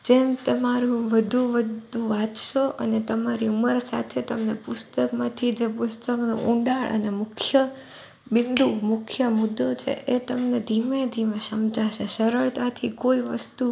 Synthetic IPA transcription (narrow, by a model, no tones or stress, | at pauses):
d͡ʒemt̪əmaɾũʋəd̪ʱũʋəd̪ʱũʋat͡ʃʃoʔə̰net̪əmaɾiuməɾsa̰t̪ʰet̪əmnepʊst̪əkmãt̪ʰid͡ʒepʊst̪əkno̰ʔũɳɖaɭʔə̰nemʊkʰjə | bɪnd̪ʱumʊkʰjəmʊd̪ːot͡ʃʰḛʔet̪əmned̪ʱimed̪ʱimẽʃəmt͡ʃaʃeʃəɾəɭt̪at̪ʰikoiʋə̰st̪u